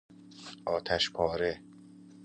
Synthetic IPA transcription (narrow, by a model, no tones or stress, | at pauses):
ʔɒːt̪ʰæʃpʰɒːɾe